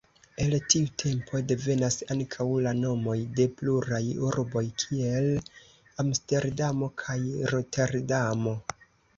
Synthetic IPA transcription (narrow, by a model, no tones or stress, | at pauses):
e̞ltiutʰe̞mpʰo̞de̞ve̞nasaŋkʰawlano̞mo̞jde̞pluɾajuɾbo̞jkʰie̞l | amste̞ɾdamo̞kʰajɾotʰe̞ɾdamo̞